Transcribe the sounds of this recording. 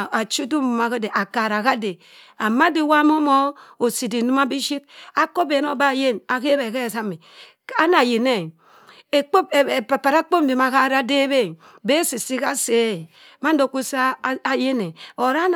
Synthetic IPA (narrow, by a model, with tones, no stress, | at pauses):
a˨t͡ʃu˦du˦u˨ma˨ke˦de˨ʔa˨ka˨ɾa˨ka˦de˨ | a˨ma˦di˨wa˦mo˦mo˦o˨si˨di˨nu˦ma˦bi˦ʃi˦t̚a˦ko˦be˨˦no˨ba˦˨je˦na˨ke˦be˨ke˦˨sa˦me˨ | a˦na˨je˨ne˦˨ | e˨k͡po˦pe˨pa˨pa˨ɾa˦k͡po˦m̩˦bi˨ma˨ka˦ɾa˦de˦be˦˨ | be˦si˨si˦ka˦se˦˨ | ma˦n˦do˨˦ku˦sa˦˨je˦ne˨o˨ɾa˦n